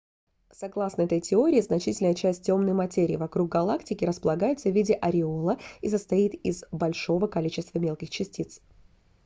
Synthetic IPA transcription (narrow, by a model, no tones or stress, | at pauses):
sɐɡlˠasnəɛt̪əjtʲɪo̞ɾʲɪːznɐt͡ɕitʲɪlʲnəjət͡ɕæsʲt̚ʲːo̞mnəjmɐtʲeɾʲɪ̰ːvɐkɾuɡ̚ɡɐlˠaktʲɪkʲɪɾəspəlˠɐɡajɪt̪səvʲidʲɪʔɐɾʲɪolˠəisəst̪ɐit̪ɪzbɐlʲʂo̞vəkɐlʲit͡ɕɪst̪vəmʲelˠkʲɪxt͡ɕɪsʲtʲit̪s